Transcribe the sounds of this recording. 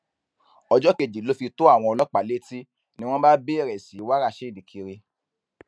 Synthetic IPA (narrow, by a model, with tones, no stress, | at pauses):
ɔ˧d͡ʒɔ˦ke˧˨d͡ʒi˨lo˦fi˧to˦a˦˨w̃ɔ̃˧ɔ˧lɔ˦k͡pa˨le˦ti˦ | nĩ˦w̃ɔ̃˦ba˦be˦˨ɾɛ˨si˨˦wa˦ɾa˧ʃe˦˨di˨kʰi˧ɾi˧